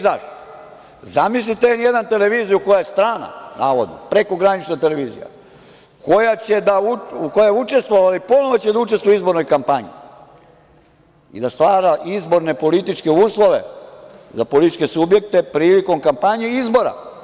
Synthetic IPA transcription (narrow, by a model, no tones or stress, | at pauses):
zaʃt̪ | zamis̬lit̪eenjed̪ant̪e̞le̞ʋiːzijuko̞jajest̪ɾaːna̰naːʋo̞d̪no̞̰pɾe̞ko̞ɡɾanit͡ʃnet̪e̞le̞ʋiːzḭja̰ | ko̞jat͡ɕe̞d̪auuko̞jajeut͡ʃe̞st̪ʋoʋalipo̞noʋot͡ɕed̪aut͡ʃe̞st̪ʋojizbo̞ɾno̞jkampaɲḭ | ḭd̪ast̪ʋaːɾaʔizbo̞ɾne̞po̞lit̪it͡ʃke̞uːslˠo̞ʋe̞zapolit̪it͡ʃke̞subje̞k̚t̪e̞pɾiːliko̞mkampaɲeizbo̞ɾa̰